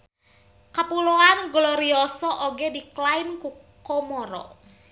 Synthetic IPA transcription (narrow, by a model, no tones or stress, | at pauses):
kapuloanɡlɔɾiɔsɔʔoɡediklaɪnku | kɔmɔɾɔ̰